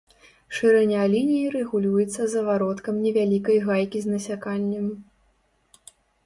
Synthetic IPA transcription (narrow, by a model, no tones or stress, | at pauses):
ʂɨɾɛnʲalʲinʲijiɾɛɣulʲujɛt̪sːɐzɐvaɾɔt̪kɐmnʲɛvʲalʲikɐjɣajkʲiznɐsʲakanʲːɛm